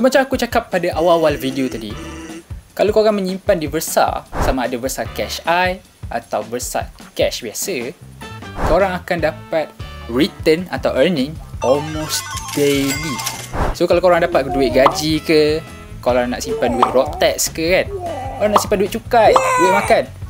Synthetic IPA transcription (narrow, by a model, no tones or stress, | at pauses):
səmat͡ʃamakut͡ʃakapːadaʔawawalvideot̪adi | kalokoɾaŋmə̃ɲimpandibərsa̰samaːdabərsakɛʃaj | ʔa̰t̪awbərsa̰kɛʃbiasə | koɾaŋakandapat̪̚rit̪əna̰t̪awʔərnɪ̃ŋʔɔlmosd̥elisokalaokoɾaŋdapat̪̚kduɪt̪̚ɡad͡ʒikə | koɾaŋna̰ʔsimpanduɪt̪̚rɔʔ̚t̪ɛtskəkankoɾaŋnaʔsimpanduit̪̚t͡ʃukajbuamakan